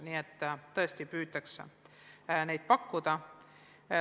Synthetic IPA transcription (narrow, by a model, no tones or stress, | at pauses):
niːet̪ːt̪ːɤ̞est̪ipyːt̪ːˑɑks | ne̞jd̪̥̚pɑkːud̪̥ɑ